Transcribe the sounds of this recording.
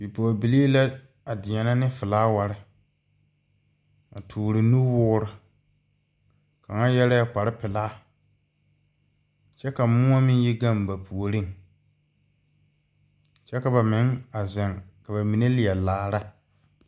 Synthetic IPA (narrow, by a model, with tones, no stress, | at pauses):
bi˨po˨bi˨li˦la˦ | a˨dɪ˨ɲɛ˨na˦nɪ˦fɪ˨laː˦wa˨ɾɪ˦ | a̰˨tʰuː˨ɾɪ˨nu˦wʊː˦ɾɪ˨ | ka˨ŋa˦jɛ˦la˦a˦k͡pa˨ɾɪ˦pɪ˨laː˦ | t͡ʃɛ˦ka˨mʊ˦a˦mɪ˦n˦ji˦ɡa˦˨mba˨pʰu˨o˨ɾi˦ | t͡ʃɛ˦ka˨ba˨mɪ˨˦ŋa˨zɛ˨ŋka˨ba˨mi˨ne˦lɪ˨jɛ˨laː˨˦˨ɾa˦